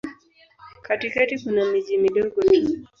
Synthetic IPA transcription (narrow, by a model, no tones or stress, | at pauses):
katikatikunamiʄimiɗɔɡɔnini